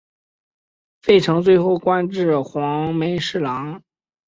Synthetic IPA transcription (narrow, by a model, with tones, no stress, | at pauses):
fe˥˩ɪʈ͡ʂʰɤ˧˥ŋt͡swe˥˧ɪxo˥˩ʊkwa˥nʈ͡ʂɻ̩˥˩xwɑ˧˥ŋme˧˥ɪʂɻ̩˥˩lɑ˧˥ŋ